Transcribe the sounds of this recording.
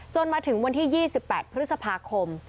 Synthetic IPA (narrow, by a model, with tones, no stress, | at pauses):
t͡ɕo˧nmaː˧t̪ʰɯ˩˦ŋwa˧nt̪ʰiː˥˩jiː˥˩si˨˩pːɛː˨˩t̪̚pʰɾɯ˦˥t̪̚sa˧pʰaː˧kʰo˧m